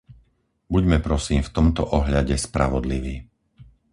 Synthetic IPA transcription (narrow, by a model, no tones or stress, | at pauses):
buɟmɛpɾɔsiːmft̪ɔmt̪ɔʔɔɦʎaɟɛspɾa̰ʋɔd̪liʋiː